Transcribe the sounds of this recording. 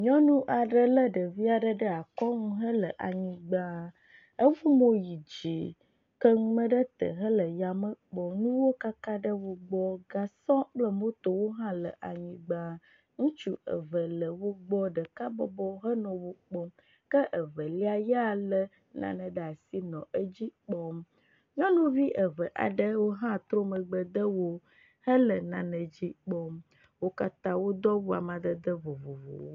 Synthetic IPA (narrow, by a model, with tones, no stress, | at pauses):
ɲɔ̃˦nũ˦ʔa˨ɖə˦lə˦ɖə˨vi˦a˨ɖə˦ɖə˦a˨kɔ˦ŋũ˦ɦə˦lə˨ʔa˨ɲĩ˨ɡ͡bã˦ | ə˦vu˦mõ˦ji˨d͡ʑi˨ | kə˦mə̃˦ɖə˦t̪ə̰˨ɦə˦lə˨ja˨mə˦k͡pɔ˨nũ˦wo˦ka˦ka˦ɖə˦wo˦ɡ͡bɔ˦ɡa˨sɔ̃˦k͡plə˦mõ˦t̪o˨wo˦ɦã˦lə̰˨ʔa˨ɲĩ˨ɡ͡bã˦ | ŋũ˦t͡ʃu˦ə̰˨və˨lə˨wo˦ɡ͡bɔ˦ɖə˨ka˦bɔ̰˦bɔ˦ɦə˦nɔ̃˨wo˨k͡pɔ˦m | kə˦ʔə˨və˨li˦a˨ja˦˨lə˦ | nã̰˨nə̃˨ɖə˨a˨si˦nɔ̃˨ʔə˦d͡ʑi˦k͡pɔ˦m | ɲɔ̃˦nũ˦vi˦ʔə˨və˨ʔa̰˨ɖə˦wo˦ɦã˦t̪ɾo˦mə˨ɡ͡bə˨d̪ə˦wo˦ | hə˦lə˨nã˨nə̃˨d͡ʑi˦k͡pɔ˦m | wo˦ka˦t̪ã˦wo˦d̪ɔ˦wu˦a˨mã˨d̪ə˦d̪ə˦vo˨vo˨vo̰˨wo˦